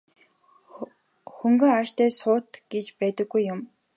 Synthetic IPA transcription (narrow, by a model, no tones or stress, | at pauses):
xɵŋɡɵ̆ŋaʃt̪æːsʊːt̪ɡ̥et͡ɕpæːt̪ə̆ɡːujːʊm